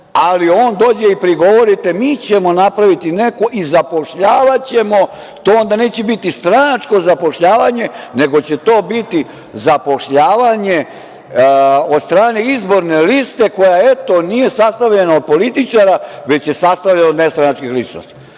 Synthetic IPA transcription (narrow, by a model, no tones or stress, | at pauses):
alio̞ːnd̪o̞ːd͡ʑeipɾiɡo̞ʋo̞ɾit̪e̞miːt͡ɕe̞mo̞napɾaʋit̪ine̞koʔizapo̞ʃʎaːʋat͡ɕe̞mo̞ | t̪oːond̪aneːt͡ɕebit̪ist̪ɾanat͡ʂko̞zapo̞ʃʎaːʋaɲe̞ne̞ɡo̞t͡ɕe̞t̪o̞ːbit̪i | zapo̞ʃʎaːʋaɲe̞ | od̪st̪ɾaːneizbo̞ɾne̞list̪e̞ko̞jae̞t̪o̞nije̞sast̪aʋʎenaod̪̚po̞lit̪it͡ʃaɾaʋe̞t͡ɕje̞sast̪aʋʎenaod̪nest̪ɾanat͡ʃkixlit͡ʃno̰st̪i̥